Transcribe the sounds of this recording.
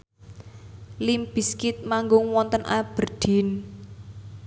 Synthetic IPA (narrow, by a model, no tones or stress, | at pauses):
limb̥i̤skɪt̪̚maŋɡʊŋwɔnt̪ənʔab̥ə̤rɖ̪̥i̤n